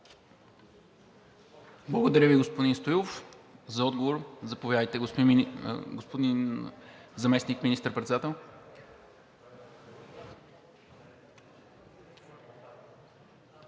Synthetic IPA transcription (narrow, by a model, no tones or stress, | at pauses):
blˠɐɡod̪ɐɾʲəviɡospʊd̪inst̪ojlˠof | zɐɔd̪ɡovoɾzɐpovjad̪əjt̪ɛɡosp̪ɡospod̪in | zɐmɛsnikminist̪əɾpɾɛt̪sɛd̪at̪ɛlˠ